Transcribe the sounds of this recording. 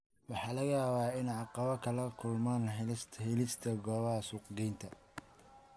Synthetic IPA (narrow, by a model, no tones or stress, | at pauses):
wɑħɑːlɐɣaːβaːɪnʕɑqɑβɐkʰɐlɐkʰʊlmaːnɦshɪlɪst̪ʰɐɡɔːβɐɦɐsʊqɡɛjnt̪ʰɐ